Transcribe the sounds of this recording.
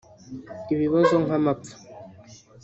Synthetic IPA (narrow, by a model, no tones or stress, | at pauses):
iβiβɔzɔŋɦamap͡fu̥